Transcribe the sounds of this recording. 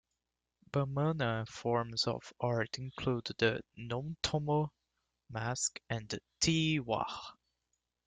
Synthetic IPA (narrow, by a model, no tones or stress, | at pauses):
b̥əmanəfɔɹmzə̰v̥ɑɹtɪ̃nkʰl̥ud̪ðə̰nɔ̃mtʰomo | mæskɨ̃nɨtʰiwa̰